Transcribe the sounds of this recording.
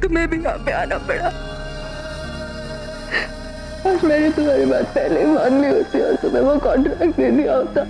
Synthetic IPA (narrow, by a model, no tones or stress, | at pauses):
t̪ʊmẽbʱija̰ːpea̰ːnabeɽa | aɾmɛ̃ːnet̪ʊmaːɾibaːt̪̚pɛɦleimaːnliɦoːt̪iɔ̰ːɾt̪ʊmẽʋokɔ̃ːɳʈɾɛːk̚ʈdeːlijaɦoːt̪aː